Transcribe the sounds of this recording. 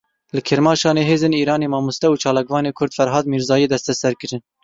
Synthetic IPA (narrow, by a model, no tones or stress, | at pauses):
lɨkʰɨɾmɑːʃɑːneːɦeːzeːniːɾɑːneːmɑːmust̪ɛuːt͡ʃʰɑːlɑːkvɑːneːkʰʊɾd̪̥fɛɾɦɑːd̪miːɾzɑːjeːd̪ɛst̪ɛsɛɾkɨɾɨn